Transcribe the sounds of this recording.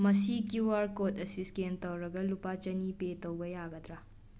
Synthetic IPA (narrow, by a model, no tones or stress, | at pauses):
mɐsikiwaɾkotɐsiskentɐwɾɐɡɐlupat͡ʃɐnipetɐwbɐjaɡɐd̪ɾa